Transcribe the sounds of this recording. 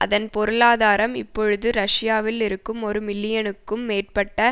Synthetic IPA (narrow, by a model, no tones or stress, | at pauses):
ʔɐ̰ðɐnpɔɾɯɭaːðaːɾɐmɪ̰pːɔɻɯðɯɾɐʂɪjaːʋɪlɪɾɯkːɯmɔɾɯmɪlːɪjɐnɯkːɯmːeːʈ̚pɐʈːɐ